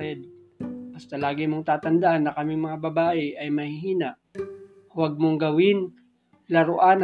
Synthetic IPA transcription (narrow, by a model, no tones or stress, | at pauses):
ɛd̪̚ | bɐst̪ɐlaːɡɪmoŋt̪aːt̪ɐnd̪ɐʔanːɐkɐmɪŋmɐŋabɐbaːʔɛʔɐjmɐhɪɦiːnɐʔ | wɐɡ̚moŋɡɐwɪn | lɐɾoʔan